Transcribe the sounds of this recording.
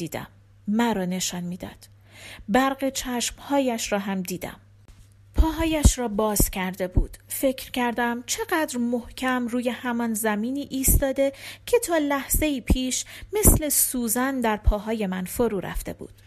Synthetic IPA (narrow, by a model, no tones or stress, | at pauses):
iːd̪æ̰mː | æɾɒːne̞ʃɒːnmiːd̪ɒ̰ːd̪̥ | bæɾɢet͡ʃʰæʃmhɒːjæʃɾɒːɦæmd̪iːd̪æ̰m | pʰɒːɦɒːjæʃɾɒːbɒːzcʰæɾd̪e̞buːd̪̥fe̞cʰɾcʰæɾd̪æmt͡ʃʰe̞ɢæːd̪ɾmohcʰæmruːje̞hæmɒnzæmiːniːʔiːst̪ɒːd̪e̞cʰe̞t̪ʰɒːlæhz̥e̞iːpʰiːʃme̞sle̞suːzænd̪æɾpʰɒːɦɒːje̞mænfoɾuːɾæ̰ft̪e̞̰bṵːd̪̥